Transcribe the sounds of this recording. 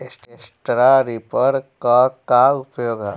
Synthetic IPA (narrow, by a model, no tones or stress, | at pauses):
esʈesʈɾaɾipəɾkakaʊpjoːɡa